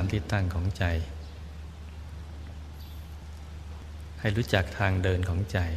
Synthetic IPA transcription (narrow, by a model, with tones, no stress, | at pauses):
mt̪iː˨˩t̪ːa˥˩ŋkʰɔː˩˦ŋt͡ɕa˧j | ha˥˩jɾuː˦˥t͡ɕa˨˩k̚t̪ʰaː˧ŋdɤː˧nkʰɔː˩˦ŋt͡ɕa˨˧j